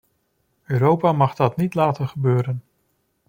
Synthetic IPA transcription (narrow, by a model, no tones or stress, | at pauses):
øːɾowpaːmɑχdɑtnitlaːtənχəbøːɾən